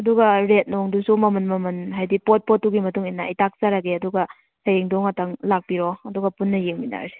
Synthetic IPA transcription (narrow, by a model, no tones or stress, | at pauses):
ɐduɡɐɾet̚noŋdusumɐmɐnmɐmɐnɦajdipot̚pɔtːuɡimɐtuŋinaɐ̰jtak̚saɾaɡeɐduɡɐ | hajeŋdoŋɐtɐŋlak̚piɾɔɐduɡɐpunːɐjeŋmina̰ɾsi̥